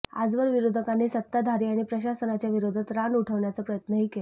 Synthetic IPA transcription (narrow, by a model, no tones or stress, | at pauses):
a̰d͡zʋəɾʋiɾod̪ʱəkanːesət̪ːad̪ʱaɾiːaɽ̃ipɾəɕasənat͡ɕjaʋiɾod̪ʱət̪ɾaɳuʈʰəʋɳjat͡səpɾəjət̪nəɦiːkel